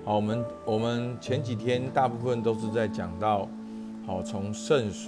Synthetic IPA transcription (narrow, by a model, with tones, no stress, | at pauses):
hɔ˨˩wɔ˨˩mə˦n | wɔ˨˩mə˨˦nt͡ɕʰjɛ˧˦nt͡ɕi˨˩t̪ʰjɛ˥nt̪a˥˧pu˥˧fə˥˨nt̪o˥ʊʂ̬ɻ̩˥˧t͡sa˥˩ɪt͡ɕjɑ˨˩ŋt̪ɑ˥˨ʊ | hɔ˨˩t͡sʰo˧˥ŋʂə˥˨ns